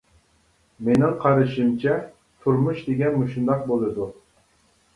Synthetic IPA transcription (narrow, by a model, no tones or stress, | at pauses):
menɪŋqʰɑɾɨʃimt͡ʃʰɛ | t̪ʰuɾmuʃd̪eɡʲɛnmuʃund̪ɑq̚bolˠɨd̪u